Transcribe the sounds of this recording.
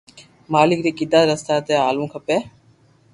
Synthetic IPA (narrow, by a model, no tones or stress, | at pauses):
maːlɪkɾiːkɪd̪aːɾəst̪aːt̪eːaːlũːkʰəpeː